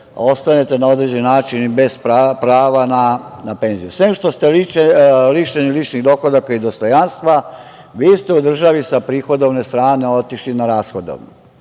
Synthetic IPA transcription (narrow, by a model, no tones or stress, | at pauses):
o̞st̪anet̪e̞nao̞d̪ɾed͡ʑennaːt͡ʃinbe̞zpapɾaːʋananape̞nzijusʋeːmʃt̪o̞st̪e̞ | liʃenilit͡ʃniɣd̪o̞xod̪akaid̪o̞st̪o̞janst̪ʋa | ʋiːst̪e̞ud̪r̩ʒaʋisapɾiːxo̞d̪o̞ʋne̞st̪ɾaːne̞o̞t̪iʃlinaɾaːsxod̪o̰ʋn